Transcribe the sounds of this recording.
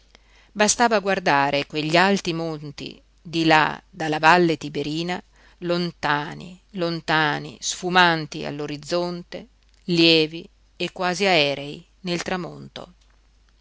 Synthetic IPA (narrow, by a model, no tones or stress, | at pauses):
bast̪aːvaɡward̪aːɾekweʎːialt̪imont̪ḭ | d̪ila̰d̪alːavalːet̪ibeɾiːna | lont̪aːnḭlont̪aːnḭsfumant̪ḭa̰lːoɾid̪zːont̪e | ljɛːvi | ekːwaːziaɛːɾei | nelt̪ɾamont̪o̰